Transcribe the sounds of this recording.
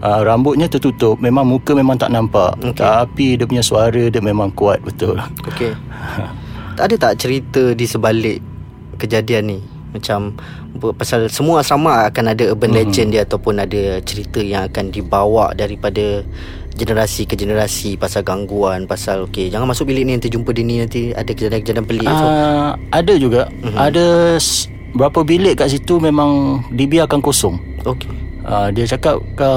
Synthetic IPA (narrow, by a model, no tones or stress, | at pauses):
ʔaɾambʊt̪̚ɲat̪ət̪ut̪ʊp̚memãŋmũkəmemãŋt̪aʔnampaʔot̪aapidəpuɲasuaɾədəmemãŋkuat̪̚bət̪ʊloke | adat̪aʔt͡ʃəɾit̪ədisəbalɪʔ | kəd͡ʒadianːi | mat͡ʃam | əpasalsəmuasamaʔakanadaəbənled͡ʒəndiəat̪awpʊnadat͡ʃəɾit̪əjaŋakandibawaʔdaɾipada | d͡ʒənəɾasikəd͡ʒənəɾasipasalɡaŋɡuanpasaloked͡ʒaŋanmasʊk̚bilɪʔ̚niant̪id͡ʒumpədinĩnãnt̪ia̰dakəd͡ʒadankəd͡ʒadanpəliʔa | adəd͡ʒuɡaʔm̩adə | bəɾapəbilɪʔ̚kaʔs̬it̪umẽmãŋdibiakankosɔŋ | oke | ədiat͡ʃakap̚ka